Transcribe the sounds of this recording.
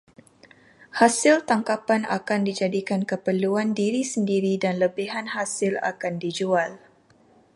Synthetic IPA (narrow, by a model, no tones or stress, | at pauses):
hasɪlt̪aŋkapana̰kandid͡ʒadikankəpəluandiɾisəndiɾidanləbiɦanhasɪla̰kandid͡ʒual